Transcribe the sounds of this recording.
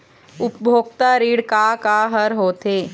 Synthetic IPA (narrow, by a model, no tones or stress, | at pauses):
ʊpbʱoːkt̪aɾiːɽkakaɦəɾɦoːt̪eː